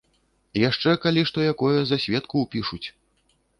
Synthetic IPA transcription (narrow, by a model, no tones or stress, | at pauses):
jaʂt͡ʂɛkalʲiʂt̪ɔjakɔjɐzasʲvʲɛt̪kuːpʲiʂut͡sʲ